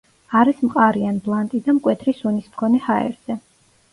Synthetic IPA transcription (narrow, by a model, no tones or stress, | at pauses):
aɾismqʼaɾianblˠant̪ʼid̪amkʼwɛt̪ʰɾisunismkʰɔnɛhaɛ̰ɾz̥ɛ